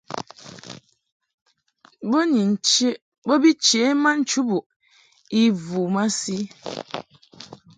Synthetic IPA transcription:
bo˦ni˨n˨t͡ʃe˦ | bɔ˦bi˦t͡ʃe˨˦ma˦n̩˦t͡ʃu˦bu˨ʔ | i˦vu˨ma˦si˦

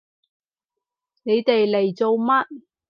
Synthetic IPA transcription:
ne˨˧jt̪e˨jle˨˩jt͡so˨wmɐ˥t̚

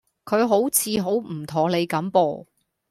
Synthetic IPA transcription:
kʰɵ˨˧ɥɦo˨˥wt͡sʰiː˨˧ɦo˨˥wm̩˨˩t̪ʰɔː˨˩ŋle˨˧jkɐ˨˥mpɔː˧

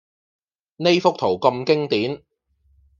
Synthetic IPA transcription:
ne˥jfʊ˥k̚t̪ʰo˨˩wkɐ˧mkɪ˥ŋt̪iː˨˥n

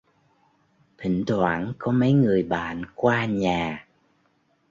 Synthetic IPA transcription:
t̪ʰï˧˩˨ŋ̟t̪ʰwaː˧˩nkɔ˨˦mə˨˦jŋɨ˨˩əjɓa̰ː˧˨nkwaː˧ɲaː˨˩

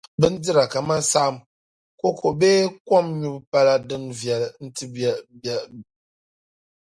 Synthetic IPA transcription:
bɨ˦n̩˦d͡zɨ˦ɾa˨ka˨ma˦sa˦m | ko˦kʰo˨be˦kɔ˦mɲu˦bpa˦la˦dɨ˦ŋvjɛ˨ln̩˦tɨ˦bba˦˨

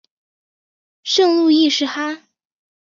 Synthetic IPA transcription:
ʂɤ˥˧ŋlu˥˧i˥˧ʂɻ̩˥˩xa˥

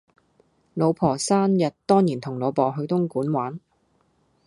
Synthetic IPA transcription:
lo˨˧wpʰɔː˨˩saː˥njɐ˨t̚t̪ɔː˥ŋjiː˨˩nt̪ʰʊ˨˩ŋlɔː˨˧pɔː˨˩ɦɵ˨˧ɥt̪ʊ˥ŋkuː˨˥nwaː˨˥n

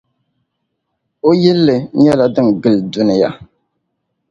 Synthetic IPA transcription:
o˦jɛ˦lːɨ˨˦ɲɛ˦la˦dɨ˦ŋɡɨ˦ldu˦nɨ˦ja̰˦

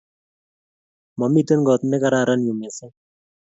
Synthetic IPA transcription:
mɔ˨mi˦˨t̪e˦nɡɔ˨t̪nɛ˦ka˨ɾa˦˨ɾa˦nju˨me˨sɛ˦

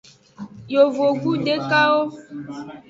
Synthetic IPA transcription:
jo˨vo˨ɡu˦ɖe˦ka˦wo˦

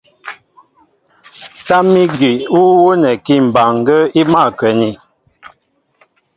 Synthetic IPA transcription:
ta˦mi˦ɡi˨wu˦wo˦nɛ˨ki˦˨m̩˨ba˨ŋ˨ɡə˦i˦ma˦˨kɛ˨ni˨

